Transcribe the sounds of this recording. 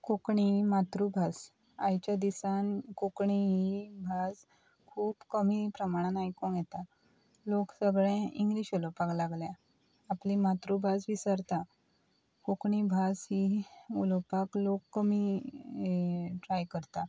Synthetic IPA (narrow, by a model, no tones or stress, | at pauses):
kokɳimat̪ɾubʱas | ajt͡ɕjad̪isankokɳiɦibʱas | kʰuːpkəmipɾəmaɽ̃anajikõɳjet̪a | loksəɡɭɛ̃iŋɡliɕolopaklaɡlja | aplĩmat̪ɾubʱasʋisəɾt̪a | kokɳ̃ibʱasɦiulopaklokːəmi | ʈɾajkəɾt̪a